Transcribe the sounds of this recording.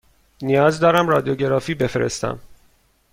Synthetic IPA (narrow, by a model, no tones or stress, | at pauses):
nijɒːzd̪ɒːɾæmrɒːd̪ioɟe̞ɾɒːfiːbe̞feɾḛst̪æ̰m